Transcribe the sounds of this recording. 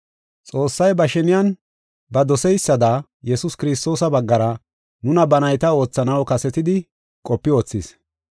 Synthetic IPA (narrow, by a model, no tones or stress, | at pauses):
t͡sʼo̞ːsːɐjbɐʃɛnɪjɐn | bɐd̪ɔsɛjsːɐd̪a | jɛsʊskɪɾɪst̪o̞ːsɐbɐɡːɐɾɐ | nʊnɐbɐnɐjt̪ɐo̞ːt͡sːɐnɐwkɐsɛt̪ɪd̪ɪ | kʼɔpːɪoːt͡sːis